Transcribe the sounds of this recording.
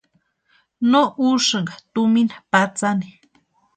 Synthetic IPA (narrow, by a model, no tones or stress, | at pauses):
noʔuʂɨŋɡat̪uminḁpat͡sani